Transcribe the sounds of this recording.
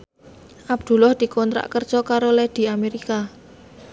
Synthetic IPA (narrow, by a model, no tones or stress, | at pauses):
ʔab̚d̪̥ṳlɔhd̪̥i̤kɔnt̪ɾa̰ʔkər̥ʒ̥ɔkaɾolɛd̪̥i̤ameɾika